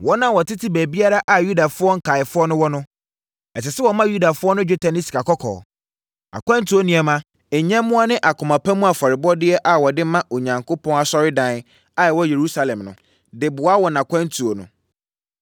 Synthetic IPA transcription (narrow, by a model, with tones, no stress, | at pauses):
wɔ˦nã˦˨wɔ˨tʰɪ˦tʰɪ˦bæ˨bi˦a˦ɾa˦ʔa˨ju˦da˨fʊ˦ɔ˦ŋ̩˦kʰa˨ɪ˨fʊ˦ɔ˦nʊ̃˦wɔ˦nʊ̃˦ | ɛ˨tɪ˨sɛ˦wɔ˨mã˦ju˦da˨fʊ˦ɔ˦nʊ̃˦d͡ʑe˦tʰa˨nĩ˦si̥˨ka˨kʰɔ˦kʰɔ̰ː˨ | a̰˨kʰʷã˦ntʰu˨o˦nĩ˨ɛ˨mã˦ | e˨ɲɛ̃˦mʊ̃˦a˦nɪ̃˦ʔa˨kʰʊ˨mã˨pʰã˦mũ˦a˨fɔ˨ɾɪ˨bɔ˦dɪ˦ɛ˦ʔa˨wɔ˨dɪ˦mã˦ʔo˨ɲã˨ŋkʰo˦pʰɔ̃˦ŋ˦a˨sɔ˦ɾɪ˦dã˨n | a˨ɛ˨wɔ˦je˨ɾu˦sa˨lɛ̃˨mnʊ̰̃˨ | dɪ˨bʊ˨a˦wɔ˨nã˨kʰã˦ntʰu˨o˨nʊ̰̃˨